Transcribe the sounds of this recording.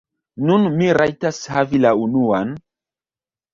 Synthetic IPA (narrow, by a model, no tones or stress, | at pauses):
nunmiɾajtashavilaunuan